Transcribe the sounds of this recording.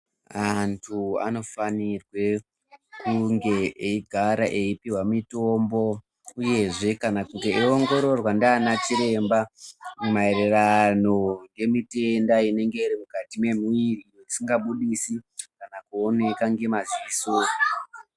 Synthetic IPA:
antʰua̰no̞fanirwe̞ | kuŋɡe̞ʔeiɡʱaɾaʔe̞ipiwamitombo̞ | uje̞ʐe̞kanakutieoŋɡo̞ɾo̞rwandaːnat͡ʃiɾe̞mbamumaeɾerano̞ŋɡe̞mite̞ndaine̞ŋɡe̞iɾimukatime̞muirijoisiŋɡaɓuɗisikanakuo̞ne̞kaŋɡe̞maziso

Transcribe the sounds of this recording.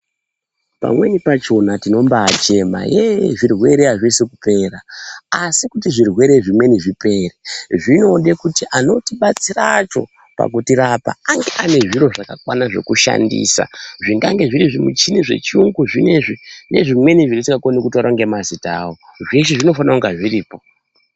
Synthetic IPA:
pa̰mwe̞nipat͡ʃo̞natino̞mbaːt͡ʃe̞ma̰jeʐirwe̞ɾeaʐisekupe̞ːraasikutiʐirwe̞ɾeʐimwe̞niʐipe̞reʐino̞ɗe̞kutiʔano̞tiɓat͡sirat͡ʃo̞̰ | pa̰kutiɾapa̰aŋɡeʔane̞ʐiɾo̞ʐakakwanaʐe̞̰kuʃa̰ndḭːsa̰ʐiŋɡaŋɡe̞ʐiɾiʐimut͡ʃiniʐe̞̰t͡ʃiuŋɡuʐine̞ʐine̞ʐimwe̞niʐiɾitikakonekutiaɾaŋɡe̞mazitaːwoʐeʃ̬eʐino̞fanauŋɡaʐiriːpo̞

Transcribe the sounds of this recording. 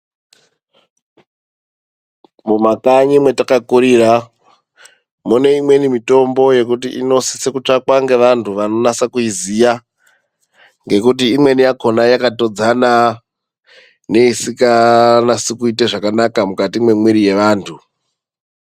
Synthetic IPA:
mumakaɲimwe̞takakuɾira | mune̞imwe̞nimito̞mbo̞je̞k̬utiʔino̞si̥sekut͡ʂakwaŋɡe̞ʋantʰuʋano̞nasakuizija | ŋɡe̞kut̬iːmwe̞nijako̞najakato̞d͡zana | ne̞isikanasikuiteʐakanakamukatimwemwiɾije̞ʋaːntʰu

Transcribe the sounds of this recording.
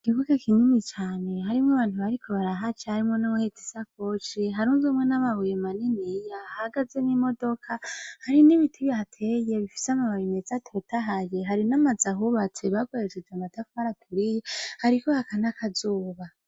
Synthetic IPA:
kiβuɡakinimit͡ʃaːne̞haɾimŋaβaːn̥huβaɾikʰo̞βaɾaɦat͡ʃahaɾimŋonawohetisak̚ot͡ʃiɦaɾunzomŋe̞naβaβujemaninijahaɡazenimo̞do̞kʰahaɾiniβitʰiβjahatʰeje̞βifi̥seamaβajimezatʰotʰaɦaje̞ɦaɾinamazaɦuβat͡se̞βaɡoɾet͡ʃed͡ʒamatafuhaɾatʰuɾijehaɾikohakanakʰazuːβa

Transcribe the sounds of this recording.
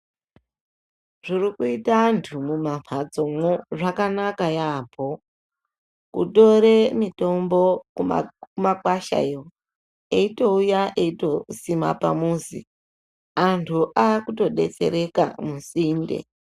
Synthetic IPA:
ʐ̥irikuitantʰumumamʰad͡zo̞mwoʐakanakajaːpʰo | kṵto̞ɾemito̞mbo̞̰ | kumakwaʃa̰jo̞ | eito̞ujaʔeito̞sima̰pa̰muzḭ | antʰuʔakuto̞ɗe̞̰t͡se̞̰ɾe̞ka̰musiːndḛ

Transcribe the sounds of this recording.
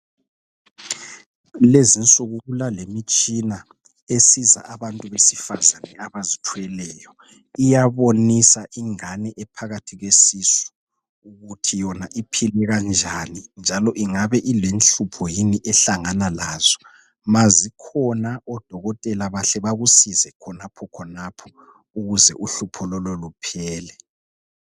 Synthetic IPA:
lezinsʼuɣuβulalemit͡ʃʼina | esiza̰ʔaβantʼuβesifazanɛaβazitʰwɛlɛːjɔ | ijaβonisaʔiŋanɛʔɛpʰaɣatʰiɣesisɔ̥ | uɣutʰijɔnaʔipʰilɛɣand͡ʒʱanind͡ʒʱalɔʔiŋaβɛʔilenɬupʰɔjiniʔɛɬaŋanalaːz̥ɔ | mazikʰɔnaʔɔd̥ʱɔɣɔtʼɛlaβaɬɛβaɣusizɛkʰɔnapʰɔkʰɔnapʰɔ̥ | uɣuzɛ̰ʔuɬupʰɔlɔlɔlupʰɛːlɛ

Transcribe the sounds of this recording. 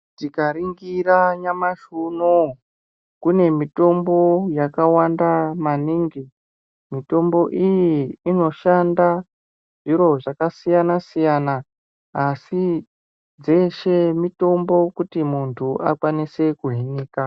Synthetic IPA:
tikaɾiŋɡiɾaɲamaʃuno | kune̞mito̞mbo̞jakawandamaniːŋɡi | mito̞mbo̞ʔijiːno̞ʃanda | ʐiɾo̞ʐakasijanasijanaː | si | d͡ze̞ʃe̞mito̞mbo̞kutimuntʰuʔakwanise̞kuɦiniːka

